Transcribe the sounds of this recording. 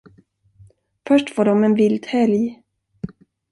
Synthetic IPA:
fœʂʈfoːɖɔmɛnvɪld̪hɛlj

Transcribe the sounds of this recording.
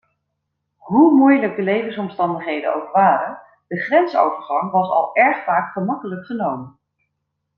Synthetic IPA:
ɦumujləɡ̚dəlejvənsɔmstɑndəχɦejdə̰no̰wkʋaːɾən | dəχrɛnso̰wvəɹχɑŋʋɑsɑ̰lˠɛɹχfaːkχəmɑkələkχənowmən

